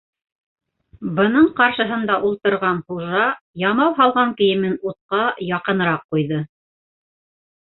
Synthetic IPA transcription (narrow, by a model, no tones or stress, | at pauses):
bɤ̆nɤɴqɑɾʃɤ̆ɦɤ̆nd̪ɑʔulˠt̪ɤ̆ɾʁɑnχuʒɑ | jɑmɑwɦɑlˠʁɑŋkɘ̆jɘ̆mɘnut̪̚qɑjɑqɤ̆nɤ̆ɾɑqqːujðɤ